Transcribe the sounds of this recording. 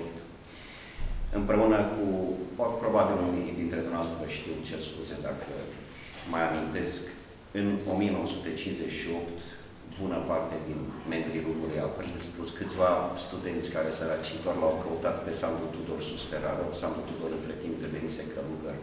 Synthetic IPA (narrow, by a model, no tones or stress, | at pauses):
t̪ | ɨmpɾe̞unəkupɾo̞babiluniɾid̪int̪ɾed̪onoast̪ɾəʃt̪iwt͡ʃelspuzed̪akʰə | məjamint̪e̞sk | ɨno̞mije̞no̞wəsut̪e̞t͡ʃinzet͡ʃʃio̞pt̪ | bunəpart̪ed̪inme̞mbɾilumuluja̰pɾilspuskɨt̪sʲvast̪ud̪e̞nt̪sʲkaɾe̞səɾat͡ʃid̪arʲlawkəut̪at̪pe̞sand̪ut̪ud̪orsuspeɾa̰ɾosand̪ut̪ud̪oɾɨnt̪ɾe̞t̪imp̚d̪evenisekʰəluber